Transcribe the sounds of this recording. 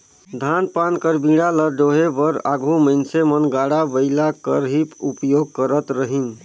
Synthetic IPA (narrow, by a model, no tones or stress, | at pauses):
d̪ʱanpankəɾbĩɽaləd͡ʒoɦebəɾa̰ɡʱuməɪnsemənɡaɽabəɪlakə̰ɾɦipupjoɡ̚kəɾət̪ɾəɦin